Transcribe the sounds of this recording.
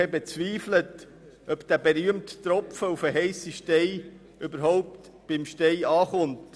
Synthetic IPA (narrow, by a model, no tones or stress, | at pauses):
ɛbɛt͡sʋiːflət | ʔœpd̪̥æbeɾyəmttɾɔpfəufəɦɛɪsiʃtɛɪ | ʔʏbəɾɦɔʊp̚t | b̥ɪmʃtɛɪɑːχʊnt